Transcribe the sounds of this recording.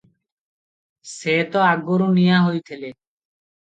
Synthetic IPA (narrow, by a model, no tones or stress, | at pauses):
set̪ɔaɡoɾunijaɦojt̪ʰele